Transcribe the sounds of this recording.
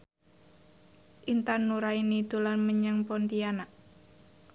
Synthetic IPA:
ʔint̪anːuɾainid̪̥ulanməɲaŋpɔnt̪ianaʔ

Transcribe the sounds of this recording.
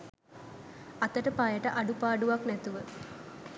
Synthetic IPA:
at̪əʈəpajəʈəʔaɖupaːɖuʋaknæt̪uʋə

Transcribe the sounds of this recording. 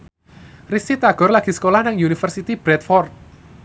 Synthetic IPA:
risit̪aɡ̥ɔ̤rlaɡ̥i̤sə̥kolahnaŋjunifərsit̪ib̥ɾɛt̪̚fɔrt̪̚

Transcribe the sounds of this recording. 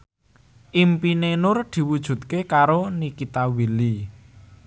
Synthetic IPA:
ʔimpinenʊrd̪̥i̤wud̥ʒ̥ṳt̪̚kekaɾonikit̪awili

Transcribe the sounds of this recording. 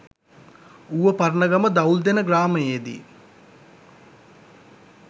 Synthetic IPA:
uʋəpaɾnəɡaməd̪auld̪enəɡraːməjed̪ḭ

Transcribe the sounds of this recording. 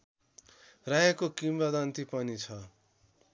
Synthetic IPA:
rajakokimbad̪ant̪ipʌnit͡sʰʌ

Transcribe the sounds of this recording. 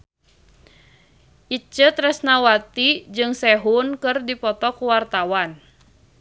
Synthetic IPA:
ʔit͡ʃət̪ɾɛsnawat̪id͡ʒɨŋsɛɦunkɨrdipɔt̪ɔkuwart̪awan

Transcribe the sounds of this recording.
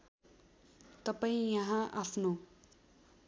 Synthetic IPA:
t̪ʌpaĩjʌɦãʔapʰno

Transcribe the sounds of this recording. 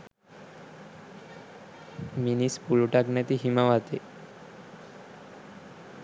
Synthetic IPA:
minispuɭoʈaɡnat̪iɦimaʋat̪e

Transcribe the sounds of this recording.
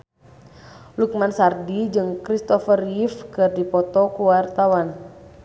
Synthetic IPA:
luk̚mansardid͡ʒɨŋkɾist̪ɔfərjifkɨrdipɔt̪ɔkuwart̪awan

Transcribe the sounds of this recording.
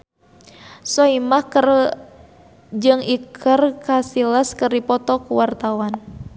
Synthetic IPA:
soimahkr | d͡ʒɨŋikʰərkasiləskɨrdipɔt̪ɔkuwart̪awan

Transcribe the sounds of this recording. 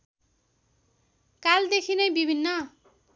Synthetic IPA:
kald̪ekʰinʌjbibʱinːʌ

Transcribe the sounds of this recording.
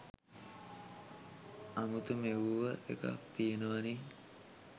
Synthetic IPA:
amut̪umeʋuʋəʔḛka̰k̚t̪ijenəʋani

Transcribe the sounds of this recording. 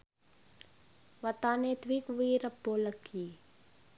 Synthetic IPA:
ʋɐt̪aːnet̪ʋikʋiːɾəpːoːləkːiː

